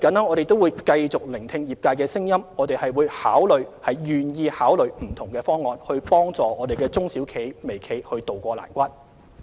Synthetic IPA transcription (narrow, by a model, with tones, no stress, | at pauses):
kɐ˨˥nɐ˥ɔː˨˧ɾe˨jt̪wuː˨˧jkɐ˧jt͡sʊ˨k̚lɪ˨˩ŋt̪ʰɪ˧ŋjiː˨˩p̚kaː˧jkɛː˧sɪ˥ŋjɐ˥mɔː˨˧t̪e˨jhɐ˨jwuː˨˧˥jha̰ː˨˥wlɵ˨ɥhɐ˨˩jjyː˨˩njiː˧haː˨˥wlɵ˨˩ɥm̩˨˩t̪ʰʊ˨˩ŋkɛː˧fɔː˥ŋːɔː˨nhɵ˧ɥpɔː˥ŋt͡sɔː˨ɔː˨˧d̪e˨jkɛː˧t͡sʊ˥ŋsiː˨˥wkʰe˨˥jme˨˩jkʰe˨˥jhɵ˧ɥt̪o˨wkʷɔː˧la̰ː˨˩nkʷɐ˥t̚